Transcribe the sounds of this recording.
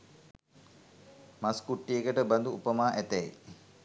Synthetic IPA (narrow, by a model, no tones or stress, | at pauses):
maskuʈːijekəʈəband̪uupəmaːʔæt̪æi